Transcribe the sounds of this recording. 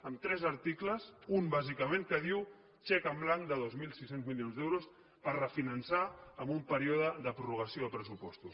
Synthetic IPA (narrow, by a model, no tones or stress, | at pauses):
əmt̪ɾɛzəɾt̪ikləzumbazikəmẽŋkəð̞iw | t͡ʃɛkəmblaŋd̪əðozmilˠsisenzmilionzðɛwɾus | pəɾrəfinənsaəmumpəɾioðəðəpɾuruɣ̞əsioəpɾəsupɔst̪us